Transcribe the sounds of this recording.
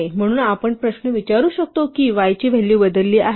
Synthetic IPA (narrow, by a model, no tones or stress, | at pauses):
em̤əɽ̃uːnapəɳpɾəɕnəʋit͡ɕaɾuːɕək̚t̪okiːʋajt͡ɕiːʋ̤ʱelːiːʋəd̪əlːiːʔaɦ